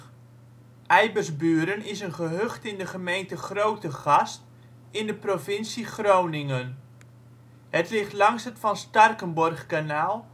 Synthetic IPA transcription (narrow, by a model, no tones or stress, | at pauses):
ʔɛjbərsbyːɾənɪsənχəɦøχtɪndəχəmejntəχrowtəχɑst | ɪndəprovɪnsiχrownɪŋən | ɦətlɪχtlɑŋsətfɑnstɑrkənbɔrχkanaːlˠ